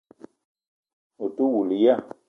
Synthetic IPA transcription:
o˨tu˦wu˨li˨ja˦˨

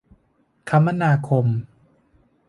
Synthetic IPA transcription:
kʰa˦˥mːa˧naː˧kʰo˧m

